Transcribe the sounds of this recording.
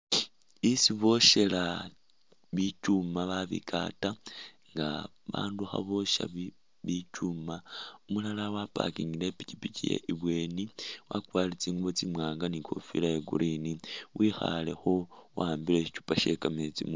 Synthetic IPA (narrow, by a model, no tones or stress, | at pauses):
isiβo̞ʃe̞la | βit͡ʃumaβaβḭka̰ta | ŋɡa | βa̰ːnduxa̰βo̞ʃa̰βi | βicumaumulalawapa̰kiŋɡilepi̥cipicijḛʔiβwe̞ːniwakwaːlit͡siːŋɡuβot͡simwaːŋɡanikʰo̞̰fḭlajeɡṵɾʔiniwʔixa̰le̞̰xo̞waːmbileit͡ʃu̥paʃe̞kamet͡sim